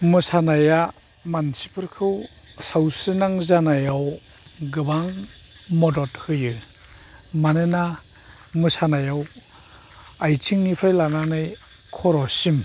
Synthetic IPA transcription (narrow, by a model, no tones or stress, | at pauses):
mɯsanaja | mansi̥pʰɯɾkʰɯwsawsɯnaŋzanajaw | ɡɯbaŋmɔdɔthɯjɯ | manɯna | mɯsanajaw | ajtʰiŋnipʰajlananɯj | kʰɔɾɔsim